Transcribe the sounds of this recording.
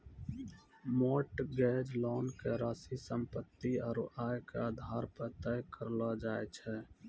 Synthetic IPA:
moːʈɡɛːd͡ʒlɔːnkeɾaːsisə̃mpət̪ːiɔːɾaːjkeaːd̪ʱaːɾpət̪əjkəɾlad͡ʒaːet͡ʃʰɛː

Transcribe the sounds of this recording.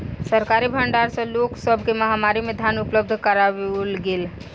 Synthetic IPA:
səɾkaːɾibʱəɳɖaːɾsɐ̃loːksəbʱkemɐɦamaːɾimẽd̪ʱjaːnʊpləb̚d̪ʱkəɾaʋlɡɪl

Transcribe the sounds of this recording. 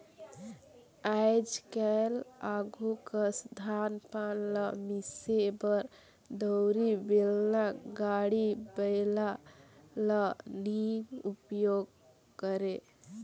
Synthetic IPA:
ajd͡ʒkɛlaɡʱukəsd̪ʱanpanləmisebəɾ | d̪əɾibelnaɡaɽibəɪla | ləninupjoɡ̚ | kəɾe

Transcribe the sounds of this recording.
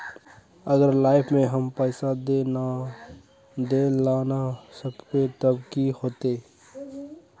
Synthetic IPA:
əɡəɾlaːɪpʰmẽɦəmpɛːɪsad̪ea | d̪eːlaːnasəbket̪əbkihoːt̪eː

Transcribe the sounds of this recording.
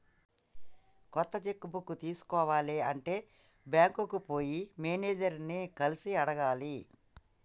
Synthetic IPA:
kɔt̪ːɐt͡ʃekːubukut̪iːsu̥kɔːʋaːleɐɳʈe̞ː | bjaːŋkukupo̞ːjimeːneːd͡ʒɐɾnikɐlisiɐɽɐɡaːli

